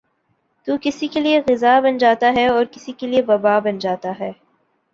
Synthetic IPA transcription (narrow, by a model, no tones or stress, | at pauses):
t̪uːkɪsikelieɣɪzabɐnd͡ʒaːt̪aɦɛɔːɾkɪsikelieʋɐbaːbɐnd͡ʒaːt̪aɦɛː